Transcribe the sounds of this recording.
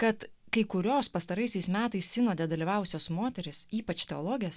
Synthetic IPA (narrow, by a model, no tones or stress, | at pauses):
kɐt̪ | kɐɪkʊɾʲoːspɐst̪ɐɾɐɪsʲɛɪsmʲæːt̪ɐɪsʲsʲɪnoːd̪ʲɛd̪ɐlʲiːʋɑːʊʊsʲoːsmoːt̪ʲɛɾʲɪsiːpɐt͡ʃt̪ʲɛolˠoːɡʲɪjɛs